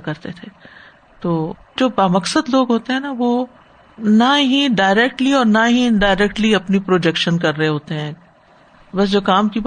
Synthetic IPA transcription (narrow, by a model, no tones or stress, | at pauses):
kɐɾt̪et̪ʰeː | t̪oː | d͡ʒoːbaːmɐksəd̪loːɡɦoːt̪eɦɛ̃ːnaʋoː | naɦiɖaːɪɾɛk̚ʈliɔːɾnaɦiɖaːɪɾɛk̚ʈliɐpnipɾoːd͡ʒɛkʃənkɐɾːɐɦeɦoːt̪eɦɛ̃ːk | bɐs̬d͡ʒoːkaːmki